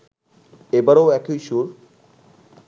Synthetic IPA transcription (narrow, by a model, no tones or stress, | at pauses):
ebaɾowɛkijʃuɾ